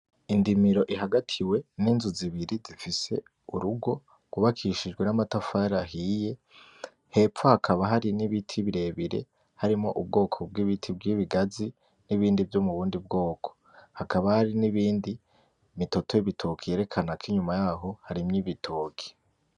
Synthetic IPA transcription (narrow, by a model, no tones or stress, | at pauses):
indimiɾo̞ʔiɦaɡatʰiwe̞ninzuziβiɾizifise̞̰ | uɾuɡo̞ | ɡ̥uβakʰiʃid͡ʒɡwe̞namatafaɾaɦije̞ | he̞fohakʰaβaɦaɾiniβitʰiβiɾe̞ːβiɾe̞̰ | haɾimŋo̰ʔub̚ɡo̞ːkʰo̞b̚ɡiβitʰibɡiːβiɡazi | niβiːndivjomuβuːndib̚ɡo̞ːkʰo̥ | hakaβahaɾiniβiːndi | mito̞tʰoiβitʰokʰijeːɾe̞kʰanakʰiɲumajaːɦo̞haɾimɲiβitʰoːkʰi̥